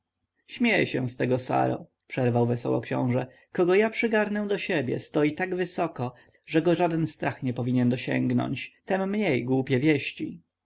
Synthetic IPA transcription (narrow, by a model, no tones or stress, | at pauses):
ɕmʲjejɛɕɛ̰̃st̪ɛɡɔsa̰ɾɔ̰ | pʂɛɾvawvɛsɔ̰wɔ̰kɕɔ̰̃w̃ʐɛ | kɔɡɔjapʂɘɡaɾnɛ̃d̪ɔɕebʲjɛ̰st̪ɔjit̪aɡvɘsɔkɔ | ʐɛɡɔʐad̪ɛnst̪ɾʔaxɲɛpɔvʲiɲɛnd̪ɔɕɛ̰ŋɡnɔ̰ɲt͡ɕt̪ɛmːɲejɡwupʲjɛvʲjɛɕt͡ɕḭ